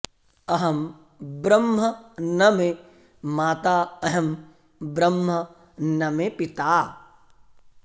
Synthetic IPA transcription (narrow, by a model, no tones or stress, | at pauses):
ɐɦɐm | bɾɐmɦɐnɐme | maːt̪aːɐɦɐm | bɾɐmɦɐ | nɐmepɪt̪aː